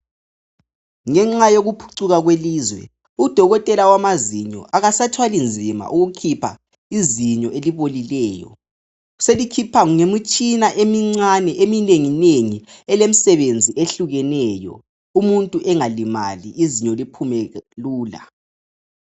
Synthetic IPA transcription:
ŋɛŋ͡ǀajoɣupʰu̥ǀuɣaɣweliːzwɛ̰ | ud̥ʱɔɣɔtʼɛlawamaziɲɔ̰ʔaɣasatʰwalind͡zʱima̰ʔuɣukʰipʰa̰ | iziɲɔʔeliβolilɛːjɔ̰ | selikʰipʰaŋuŋemit͡ʃʼinaʔemiŋ͡ǀanɛʔemineŋineŋiɛlem̩sɛβend͡zʱiʔeɬuɣɛnɛːjɔ̰ | umuntʼuʔɛŋalima̰liʔiziɲɔlipʰumɛluːla̰

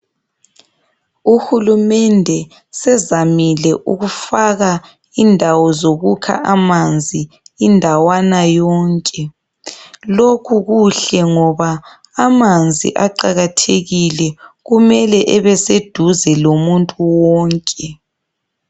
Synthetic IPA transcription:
uhulumɛndʱɛ | sɛzamilɛʔuɣufaɣa | indʱawɔzoɣukʰa̰ʔamand͡zʱi | indʱawanajɔːŋkʼɛ | lokʰuɣuɬɛŋɔβaː | mand͡zʱḭʔaǃaɣatʰeɣilɛɣumɛlɛʔɛβɛsed̥ʱuzɛlomuntʼuwɔːŋkʼɛ

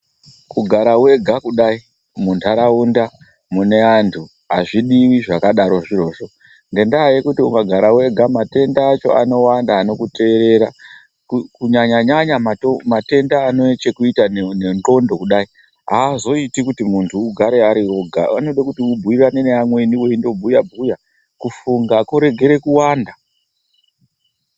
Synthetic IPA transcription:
kuɡʱaɾawe̞ɡʱakuɗai | muntʰaɾaunda | mune̞antʰu | ɦaʐiɗiwiʐakaɗaɾo̞ʐiro̞ːʐo̞ | ŋɡe̞ndaːjekutiuŋɡaɡʱaɾawe̞ɡʱamate̞ndaːt͡ʃo̞̰a̰no̞wandaːno̞kute̞ːɾe̞ɾa | kukuɲaɲaɲaɲamaomate̞ndaːno̞t͡ʃe̞kuitaneno̞ndo̞kuɗai | ɦaːzo̞itikutimuntʰuːɡʱaɾe̞aɾioɡʱa̰ano̞ɗakutiubʱuirane̞neamwe̞niweindo̞bʱujabʱuja | kufuŋɡakoɾe̞ɡʱe̞ɾe̞kuwaːnda

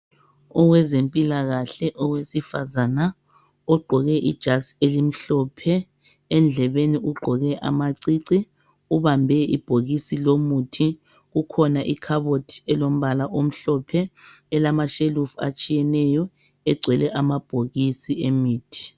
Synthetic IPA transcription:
ɔwɛzempʼilaɣaɬɛʔɔwesifazana | ɔɡ͡ǃʱɔɣɛʔid̥ʒ̥ʱaselim̩ɬɔpʰɛ | ɛnd͡ɮʱɛβeniuɡ͡ǃʱɔɣɛʔa̰maǀiːǀi | uβambʱɛḭb̥ʱoɣisilomutʰi | ɣukʰɔnaʔikʰaβotʰiɛlom̩βalaʔom̩ɬɔpʰɛ | ɛlamaʃelufa̰t͡ʃʼijɛnɛjɔ | ɛɡ͡ǀʱwɛlɛʔamab̥ʱoɣisiemiːtʰi̥

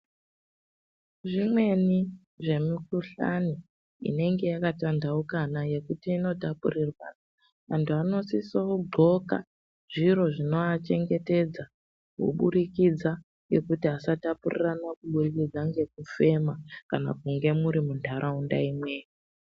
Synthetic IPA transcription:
ʐimwe̞ni | ʐe̞mikuɬa̰ni | ḭne̞ŋɡe̞jakatandaukanaje̞kutiːno̞tapurirwa̰na | ʋantʰuano̞sisoɡ͡ǃʱo̞ka̰ | ʐiɾo̞ʐino̞at͡ʃe̞ŋɡe̞te̞d͡za | kṵɓuɾikid͡za | je̞kutiasatapurḭranakuɓurikid͡zaŋɡe̞k̚ufe̞makana̰kuŋɡe̞muɾimundʱaɾʔaunda̰imweːji

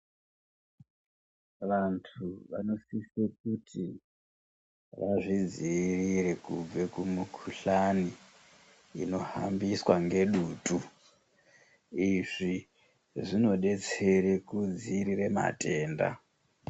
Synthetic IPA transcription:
ʋantʰuʋa̰no̞sisek̚utʰi | ʋaʐid͡zirirekub͡vekumukʰuɬaniː | no̞ha̰mbiswaŋɡe̞ɗuːtu | iʐi | ʐino̞ɗe̞t͡se̞ɾekud͡ziːɾiɾe̞ma̰te̞ːnda̰

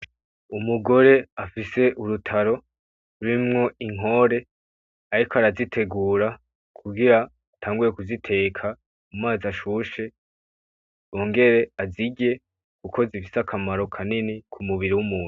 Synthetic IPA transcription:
umuɡo̞ɾe̞afise̞ʔuɾutʰaɾo̞ | uɾimŋo̞iŋ̥ɦo̞ɾe̞ | aɾikoaɾazitʰe̞ɡuːɾa | kʰuɡiɾaː | tʰaːŋɡuɾe̞kuzitʰe̞ːkʰa | mumaːzaʃuʃe̞ | oŋɡe̞ɾe̞aziɡe̞ | kukʰo̞zifi̥sakʰamaɾo̞kʰaninikʰumuβiɾiwumuːnu

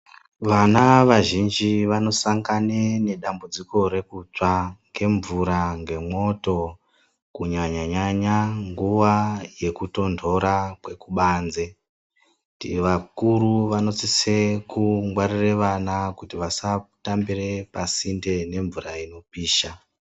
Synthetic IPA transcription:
ʋanaʋaʒind͡ʒiʋano̞saŋɡanene̞ɗambud͡ziko̞ɾe̞kut͡ʂaŋɡe̞ɱvuɾaŋɡe̞mo̞to̞ | kuɲaɲaɲaɲaŋɡuʋaje̞kuto̞ndʰʱo̞ɾakwe̞kuɓanze̞ | tiʋakuɾuʋano̞t͡sise̞kuŋɡwaɾireʋanakutiʋasatambire̞pasinde̞ne̞ɱvuraino̞piːʃa

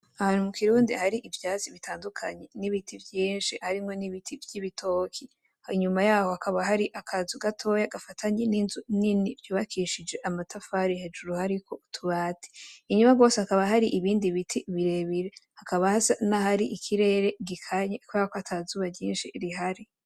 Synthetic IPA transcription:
ahaːn̥humukiɾuːndihaɾiʔivjaːziβitʰaːndukʰaɲe̞niβitʰivjiːnʃihaɾimŋo̞niβitʰivjiβitʰo̞ːkʰi | hiɲumajaːhohakaβaɦaɾiʔakʰazuɡatʰo̞jaɡafatʰaɲeninzuninivjuːβakʰiʃid͡ʒe̞ʔamatafaɾihe̞d͡ʒuɾuhaɾiko̞tʰuβaːtʰi̥ːɲumaɡo̞ːsehakaβaɦaɾiʔiβiːndiβitʰiβiɾe̞βiɾehakaβahasanahaɾiʔikʰiɾe̞ːɾeɡikʰaɲekwakoatʰazuβajiːnʃiɾiɦaɾi

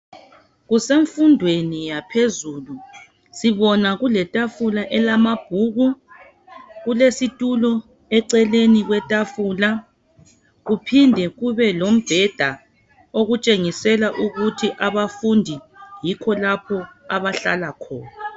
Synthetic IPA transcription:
ɣuseɱfundʱwenijapʰezuːlu | siβɔnaɣulɛtʼafulaʔɛlamab̥ʱuːɣu | ɣulesitʼulɔ | ɛǀɛleniɣwɛtʼafuːla | ɣupʰindʱɛɣuβɛlom̩b̥ʱɛd̥ʱa | oɣut͡ʃʼeŋisɛlaʔuɣutʰiʔaβafundʱijikʰɔlapʰɔaβaɬa̰lakʰɔːna

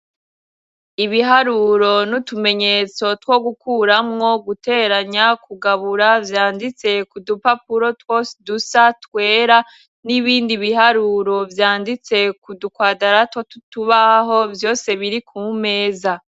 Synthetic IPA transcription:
iβiɦaɾuɾo̞nutume̞ɲe̞t͡so̞two̞ɡukuɾamŋo̞ɡute̞ːɾaɲakuɡaβuɾavjaːndit͡se̞kudupapuɾo̞twosdusatkwe̞ːɾa | niβiːndiβiɦaɾuɾo̞vjaːndit͡se̞kudukwaːdaɾatwatutuβaɦo̞vjo̞ːse̞βiɾikʰume̞ːza

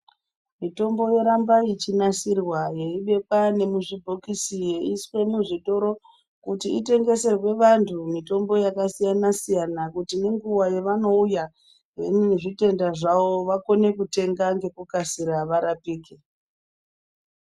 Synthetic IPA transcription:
mito̞mbo̞je̞ɾambait͡ʃinasirwaje̞iɓe̞pane̞muʐibʱokisije̞iswe̞muʐito̞ɾo̞ | kutiite̞ŋɡe̞se̞rwe̞ʋantʰumito̞mbo̞jakasijanasijanakutine̞ŋɡuwajeʋano̞uja | ɦenʐite̞ndaʐao̞ʋako̞ne̞kute̞ŋɡaŋɡe̞kukasiɾaʋaɾapiːke

